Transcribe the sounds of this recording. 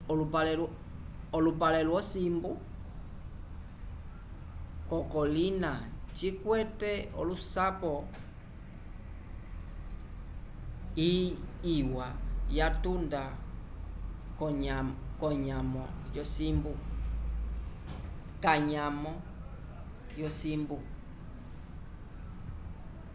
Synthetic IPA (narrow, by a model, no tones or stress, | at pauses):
ɔlupalɛl | ɔlupalɛlwɔsimbu | kɔkɔlinat͡ʃikwɛtɛɔ̰lusapɔ | iiwajatunda | kɔɲamɔjɔsimbu | kaɲamɔ | jɔsimbu